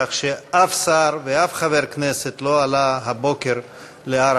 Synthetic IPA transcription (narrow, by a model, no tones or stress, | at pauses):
aχʃeafsaɾveafχaveʁkneset̪loalaɦabokeɾ | leaɾ